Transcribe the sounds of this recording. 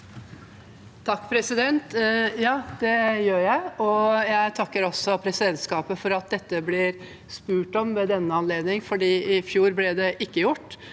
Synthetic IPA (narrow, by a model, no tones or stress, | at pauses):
t̪ʰɑkːpʰɾɛsɪd̪ɛnt̪jɑːd̪̥ɛjøːɾjæɪɔjæɪt̪ʰɑkːəɾɔsːɔpʰɾɛsɪd̪ɛnt̪skɑːpəfɔɾɑt̪̚d̪ɛt̪ːəblɪɾ | spʉːʈɔmʋɛd̪ɛnːəɑnleːd̪nɪŋfɔɖiːɪfjuːɾblɪd̪ɛʔɪkːəjʊʈː